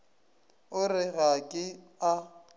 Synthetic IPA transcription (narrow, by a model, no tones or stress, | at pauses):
ʊrɪɣakʼɪ | a